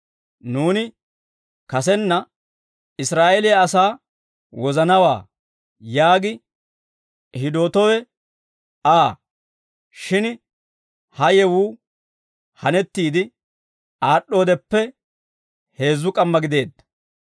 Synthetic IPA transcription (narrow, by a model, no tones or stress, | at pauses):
nuːnɪ | kɐs̬ɛnːɐ | ɪsɾaːʔɛlɪjaɐsaː | wɔzɐnɐwa̰ː | jaːɡɪ | hɪd̪o̞ːt̪ɔwɛ | aː | ʃɪn | hɐjɛwuː | hɐnɛt̪ːiːd̪ɪ | aːɗːo̞ːd̪ɛpːɛ | he̞ːzːʊkʼɐmːɐɡɪd̪e̞ːd̪ːɐ̥